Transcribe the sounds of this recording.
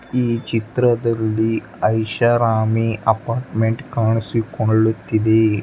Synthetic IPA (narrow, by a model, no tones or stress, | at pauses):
iːt͡ʃit̪ɾɐd̪ɐlːi | ɐjʃɐɾaːmiʔɐpaːɾʈmeɳʈkaːɳisikoɭɭːut̪ːid̪e